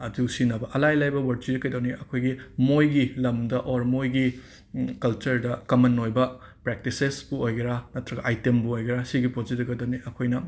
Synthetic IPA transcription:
ɐduwsinɐbɐʔɐlajlajbɐwɐɾt͡ʃid͡ʒɐkɐjdɐwniʔɐkʰojɡimojɡilɐmdɐʔoɾmojɡi | kɐlt͡ʃɐɾdɐkɐmɐnojbɐ | pɾek̚tisesbuojɡɐɾanɐtʰɾɐɡɐʔajtembuojɡɐɾasiɡipod͡ʒidɐɡɐdɐwniʔɐkʰojnɐ

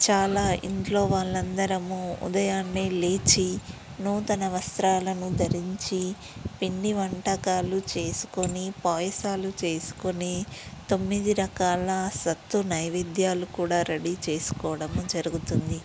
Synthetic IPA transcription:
t͡ʃaːlaːʔint̪lo̞ːʋaːɭːɐnd̪ɐɾɐmuṵd̪ɐjaːnːeːleːt͡ʃi | nuːt̪ɐnɐʋɐst̪ɾaːlɐnud̪ɐɾiɲt͡ʃi | piɳɖiʋɐɳʈɐkaːlut͡ʃe̞ːsu̥konipaːjɐsaːlut͡ʃe̞ːsu̥konit̪o̞mːid̪iɾɐkaːlɐsɐt̪ːunɐjʋid̪jaːlukuːɽaːɾeɽit͡ʃe̞ːsu̥kɔːɽɐmud͡ʒɐɾuɡut̪und̪i

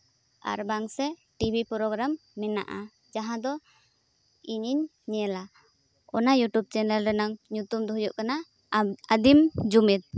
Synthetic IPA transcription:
a̰ɾbaŋsɛʈibʱipɾɔɡɾamːɛna̰ʔa | d͡ʒaɦãd̪ɔ | iɲiɲː | ɛla | ɔnajuʈub̚t͡ʃɛnɛlɾɛnaŋɲut̪umd̪ɔɦujuʔkana | ad̪imd͡ʒumɛt̪̚

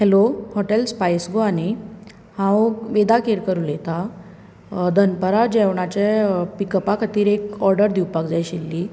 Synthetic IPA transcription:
hɛlohɔʈelspajsɡoani | hãwʋed̪akeɾkəɾulet̪a | d̪ʱənpəɾad͡ʑɛʋɳat͡ɕɛpikəpakʰət̪iːɾekɔɾɖəɾd̪ʱiwpakd͡zajɕilːi

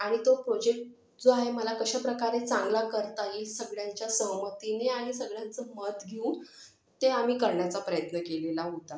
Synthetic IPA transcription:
aɽ̃it̪opɾod͡ʑek̚ʈ̚ | d͡zoaɦeməlakəɕapɾəkaɾet͡sãŋɡlakəɾt̪aɦisəɡɭjaɲt͡ɕjasəɦmət̪ineaɽ̃isəɡɭjãnt͡səmət̪ɡʱeun | t̪eam̤iːkəɾɳjat͡sapɾəjət̪nəkelelaɦot̪a

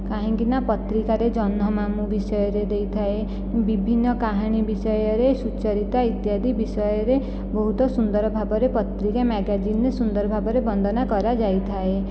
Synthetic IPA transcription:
kaɦĩŋkinapɔt̪ɾikaɾed͡ʒɔnɔmamubisɔjɔɾed̪ejt̪ʰae | bibʱinːɔkaɦaɽ̃ibisɔjɔɾesut͡ʃɔɾit̪ait̪jad̪ʱibisɔjɔɾe | bɔɦut̪ɔsund̪ɔɾɔbʱabɔɾepɔt̪ɾikamɛɡad͡ʒinɾesund̪ɔɾɔbʱabɔɾebɔnd̪ʱɔnakɔɾad͡ʒajt̪ʰae

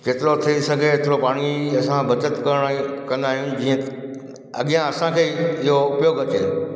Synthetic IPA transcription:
keːt̪ɪɾot̪ʰiisɐɡʱeeːt̪ɪɾopaːɽ̃iɐsãbɐt͡ɕət̪kɐɾəɽ̃kɐ̃nd̪aːɦijʊ̃nɪ̆d͡ʑiːə̃ | ɐ̰ɠijãɐsãkʰeːɪɦoʊpjoːɡɐt͡ɕeː

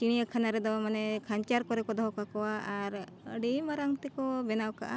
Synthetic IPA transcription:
t͡ʃiɽ̃ijəkʰanaɾɛd̪ɔmanɛkʰaɲt͡ʃaɾkɔɾɛkɔd̪ɔɦɔkakɔwaʔaɾ | əɖimaɾaŋt̪ɛkɔbɛnawka̰ʔa

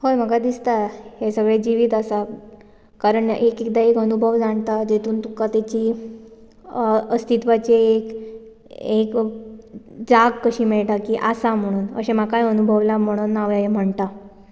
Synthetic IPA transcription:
hojm̤əɡad̪ist̪ahesəɡɭed͡ʑiʋiːt̪asa | kaɾəɳekek̚d̪aekənubʱəʋd͡zaɳt̪ad͡ʑet̪uːnt̪ukat̪jat͡ɕiː | əst̪it̪ʋat͡ɕeek | ek | d͡zaɡkəɕiːmeɭʈ̪akiːʔasam̤əɽ̃uːnə̰ɕemakajənubʱəʋlam̤əɽ̃unːaʋaem̤əɳt̪a

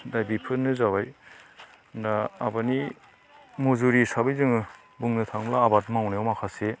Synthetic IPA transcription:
dajbipʰɯnːɯzabaj | ndaːbani | muzuɾisabɯjzɯŋɯ | buŋnɯtʰaŋblaːbat̚mawnajɔwmakʰase

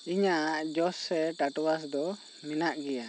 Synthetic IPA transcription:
iɲaʔaʔd͡ʒɔsːɛʈaʈwas̬d̪ɔ | minaʔɡɛja

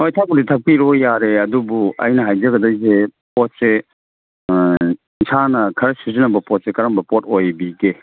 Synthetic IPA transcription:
ojtʰapuditʰɐk̚piɾojaɾeɐdubuɐ̰jnɐɦajd͡ʒɐɡɐdɐjs̬epɔt̚se | sʰanɐkʰɐɾɐsuzinɐbɐpɔt̚sekɐɾɐmbɐpotojbiɡe

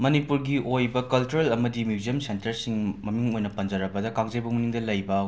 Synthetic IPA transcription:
mɐnipuɾɡiojbɐkɐlt͡ʃuɾelɐmɐdimjuzijɐmsentɐɾsiŋmɐmiŋojnɐpɐnd͡ʒɐɾɐbɐdɐkaŋzɐjbɐmuniŋdɐlɐjbɐ

